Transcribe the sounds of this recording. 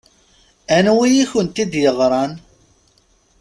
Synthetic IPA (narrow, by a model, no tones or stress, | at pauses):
ænwijiçənt̪id̪jəʁɾˤɑn